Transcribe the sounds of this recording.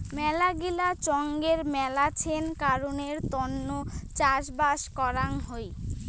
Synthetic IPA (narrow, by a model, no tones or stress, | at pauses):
mɛlaɡilat͡ɕɔŋɡeɾmɛlat͡ɕʰenkaɾoneɾt̪ɔnːot͡ɕaʃbaʃkɔɾaŋɦoj